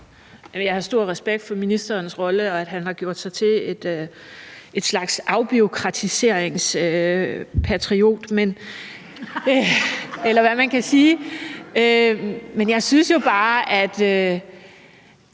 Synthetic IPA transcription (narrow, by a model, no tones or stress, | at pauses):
æmjɑ̈ɪhɑ̈sd̥o̝ɐ̰ʁɛsb̥eɡ̥̚d̥fɒ̽minisd̥ɐːnsʁɒ̽ləɒ̽æd̥ɦænɦɑ̈ɡ̥jo̝ɐ̰d̥sɑ̈ɪt͡sʰe̝e̝d̥ø | e̝d̥slɑ̈ɡ̥sʔɑ̈ʊb̥io̝kʰʁɑ̈t͡sʰise̝ɐ̰eŋsø | pʰæt͡sʰʁio̝̰ːd̥men | elɐʋæmænkʰæsiː | ømenjɑ̈ɪsynsjo̝b̥ɑ̈ːʔæd̥ø